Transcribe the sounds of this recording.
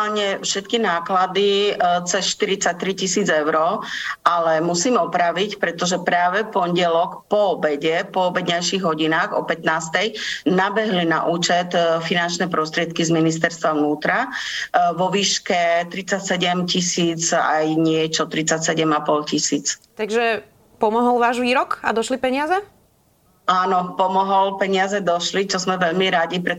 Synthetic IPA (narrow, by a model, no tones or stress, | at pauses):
alɲɛfʃɛt̪kinaːklad̪it͡sɛsʃt̪iɾit͡sac̚t̪ɾicisiːd͡zɛʊɾɔʔalɛmusiːmɔpɾaʋicpɾɛt̪ɔʒɛpɾaːʋɛpɔnɟɛlɔkpɔɔbɛɟɛpɔɔbɛd̪ɲajʃiɣɦɔɟinaːɣɔ̰pɛt̪naːst̪ɛjnabɛɦlina̰ʔuːt͡ʃɛt̪finant͡ʃnɛːpɾɔst̪ɾɪɛt̪̚kizminis̬t̪ɛɾst̪ʋaʋnuːt̪ɾa | ʋɔʋiːʃkɛt̪ɾit͡sacsɛɟɛmcisiːt͡sa̰jɲɪɛt͡ʃɔt̪ɾit͡sacsɛɟɛmapɔlcisiːt͡st̪aɡʒɛ | pɔmɔɦɔlʋaːʒʋiːɾɔkad̪ɔʃlipɛɲɪazɛ | aːnɔpɔmɔɦɔlpɛɲɪazɛd̪ɔʃlit͡ʃɔzmɛʋɛʎmiɾaɟipɾɛ